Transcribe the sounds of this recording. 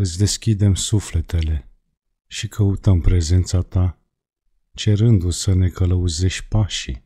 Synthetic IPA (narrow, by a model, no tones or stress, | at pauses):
ɨt̪sʲd̪e̞skʲid̪e̞msufle̞t̪e̞le̞ | ʃikʰəut̪əmpɾe̞ze̞nt̪sat̪a | t͡ʃe̞ɾɨnd̪usəne̞kələuze̞ʃ̚ʲpaʃi